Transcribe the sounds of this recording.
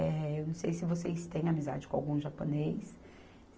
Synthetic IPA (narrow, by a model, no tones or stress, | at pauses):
ɛewnɐ̃w̃sejsɪvosest̪ẽj̃amiza̰d͡ʒɪkõawɡũʒaponejs